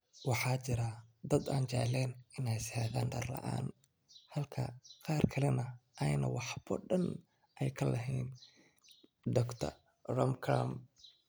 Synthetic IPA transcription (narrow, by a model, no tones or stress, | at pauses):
wɑħɑːt͡ʃɪɾɐd̪ɐd̪aːnt͡ʃɛ̰ʕlɛːnɪnɛjshɛðaːnɖɐrlɐ̰ʔa̰ːn | hɐlkʰɐ̰qɑːrkʰɐlɛnɐʔɛjnɐ̰wɑħbɔ̰ɖɐn | ʔɛjkʰɐlɐɦɛjn | d̪ɔːɡt̪ʰɐ̰ | rɔmkʰɾa̰m